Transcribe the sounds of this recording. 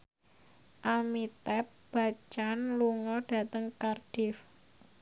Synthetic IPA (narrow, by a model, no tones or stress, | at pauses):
ʔamit̪ɛp̚b̥a̤t͡ʃanluŋɔɖ̥a̤t̪əŋkarɖ̥ɪf